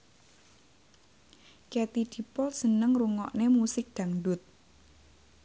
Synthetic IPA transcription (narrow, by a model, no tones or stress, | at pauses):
kɛt̪id̪̥i̤pɔlsənəŋruŋɔ̰ʔnemusɪk̚d̪̥a̤ŋdʊt̪̚